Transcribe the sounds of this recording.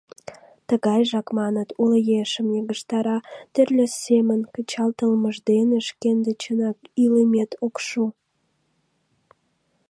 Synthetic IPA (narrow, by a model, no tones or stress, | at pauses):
t̪əɣɑjʒɑkmɑnət̪uləjeʃə̆mjeɣəʃt̪ɑɾɑt̪erlʲesːemənkə̆t͡ɕɑlt̪əlməʒd̪eneʃkend̪et͡ɕənɑkilemet̪okʃu